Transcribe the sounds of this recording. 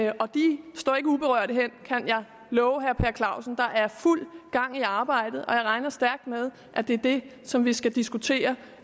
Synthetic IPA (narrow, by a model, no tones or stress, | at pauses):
ɒ̽d̥isd̥ɒ̰ːe̝ɡ̥əub̥e̝ʁœɐ̰ɾ̥əɦen̰kʰænjɑ̈ɪ | lɔːʊɦæɐpʰeɐkʰlɑ̈ʊ̰sn̩d̥ɑ̈ʔæɐful̰ɡ̥ɑ̈ŋ̰iɑ̈ːb̥ɑ̈ɪ̰d̥ð̩ˠɒ̽jɑɪʁɑ̈ɪnɐsd̥æɐɡ̥̚d̥með̞ˠ | ʔæd̥e̝ɐd̥e̝sɒ̽mʋisɡ̥æd̥isɡ̥ut͡sʰe̝̰ːɐ